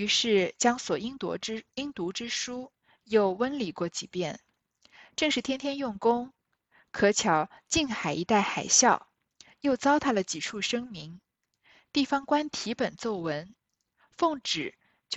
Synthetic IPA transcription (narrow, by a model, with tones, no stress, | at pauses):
y˧˥ʂɻ̩˥˩t͡ɕjɑ˥ŋswɔ˨˩i˥ŋt̪wɔ̰˧˥i˥ŋt̪u˧˥ʈ͡ʂɻ̩˥ʂu˥ | jo˥˩ʊwə˥nli˨˩kwɔ˥˩t͡ɕi˨˩pjɛ˥˩n | ʈ͡ʂɤ˥˧ŋʂɻ̩˥˩t̪ʰjɛ˥nt̪ʰjɛ˥njʊ˥˩ŋkʊ˥ŋ | kʰɤ˧˥t͡ɕʰjɑ˧˥ʊt͡ɕi˥˩nxa˨˩ɪi˧˥t̪a˥˩ɪxa˨˩ɪɕjɑ˥˩ʊ | jo˥˩ʊt͡sɑ˥ʊt̪ʰa˥d̪ə˨t͡ɕi˨˩ʈ͡ʂʰu˥˩ʂɤ˥ŋmi˧˥ŋ | t̪i˥˩fɑ˥ŋkwa˥nt̪ʰi˧˥pə˨˩nt͡so˥˩ʊwə˧˥n | fɤ˥˩ŋʈ͡ʂɻ̩˨˩˦ | t͡ɕ